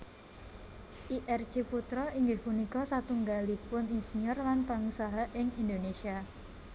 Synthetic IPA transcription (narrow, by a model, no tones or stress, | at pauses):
ʔiʔɛrt͡ʃeput̪ɾɔiŋɡɪhpunikɔsat̪uŋɡalipʊninsiɲɔrlanpaŋusaɦaʔɪŋind̪onesia